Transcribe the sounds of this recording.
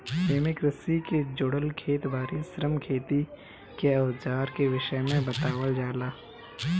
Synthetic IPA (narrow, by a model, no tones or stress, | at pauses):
eːmɪkɾəsiked͡ʒʊːɽəlkʰeːt̪bʱaːɾisɾəmkʰeːt̪i | keɐʋzaːɾkeʋɪʃəmẽbɐt̪aːwəld͡ʒaːlaː